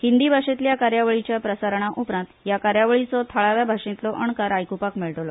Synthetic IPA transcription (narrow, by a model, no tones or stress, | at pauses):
hind̪iːbʱaʂet̪ljakaɾjaʋəɭit͡ɕjapɾəsaɾɳ̃aʔupɾãnt̪jakaɾjaʋɭit͡sɔt̪ʰaɭaʋjabʱaʂĩt̪lɔʔəɳkaɾajkupakmiɭʈ̪lɔ